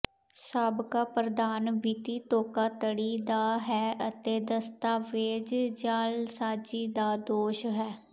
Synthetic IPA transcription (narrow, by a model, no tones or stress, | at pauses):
saːbkaːpɾəd̪aːnbiːt̪iːt̪oːkaːt̪əɽiːd̪aːɦɛːət̪eːd̪əst̪aːʋeːd͡ʒd͡ʒaːlsaːd͡ʒiːd̪aːd̪oːʃɦɛː